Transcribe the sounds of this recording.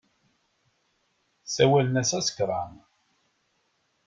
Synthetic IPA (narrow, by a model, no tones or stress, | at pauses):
sæwælənæsæsə̥kɾˤɑm